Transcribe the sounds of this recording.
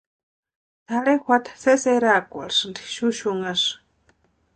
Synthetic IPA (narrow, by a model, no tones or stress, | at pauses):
t̪ʰaɺexʷat̪ḁseseɾakʷa̰ɾsndi̥ʃuʃuŋaʂ